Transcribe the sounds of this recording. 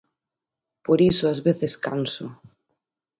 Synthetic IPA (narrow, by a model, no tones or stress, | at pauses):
poɾisʊazβeθeskansʊ̰